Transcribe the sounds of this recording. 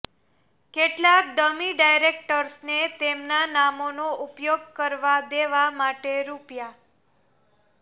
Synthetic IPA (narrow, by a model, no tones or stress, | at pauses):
keʈlak̚ɖəmiɖajɾek̚ʈəɾsnet̪emnanamonoupjoɡ̚kəɾʋad̪eʋamaʈeɾupja